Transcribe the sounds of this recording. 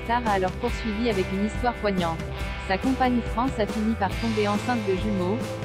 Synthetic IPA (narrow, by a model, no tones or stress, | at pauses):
t̪aʁaːlɔʁpuʁsɥiviavɛkynist̪waʁpwaɲɑ̃t̪ | sakɔ̃paɲifχɑ̃safinipaʁt̪ɔ̃beɑ̃sɛ̃t̪d̪əʒemo